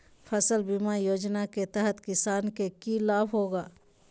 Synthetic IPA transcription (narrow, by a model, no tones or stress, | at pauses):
pʰəsəlbimajoːd͡ʒnaket̪əɦət̪kɪsaːnkekilaːbɦoːɡaː